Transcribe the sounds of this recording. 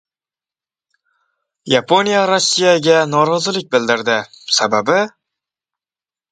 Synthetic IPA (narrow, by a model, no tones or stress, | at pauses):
jɑpʰonjɑɾosːijɑɡʲɛnɒɾɑzɨlˠɪk̚ʲbɪld̪ɪɾd̪ɪ | sæbæbɪ